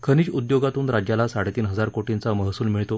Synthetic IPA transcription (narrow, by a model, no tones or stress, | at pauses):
kʰəñiːd͡ʑud̪joɡat̪uːnɾad͡ʑjalasaɽet̪iːnɦəd͡zaɾkoʈint͡saməɦsuːlmiɭt̪o